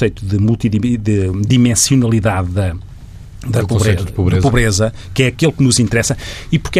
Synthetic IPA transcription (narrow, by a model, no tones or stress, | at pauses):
sɐjt̪uðɨmulˠt̪iðidɨd̪imẽsiunɐlˠiðaðːɐ | d̪ɐpũβsejt̪ðpuβɾezpuβɾezɐ | kɛɐkelˠknuzĩnt̪ɾɛsɐipuɾkɛ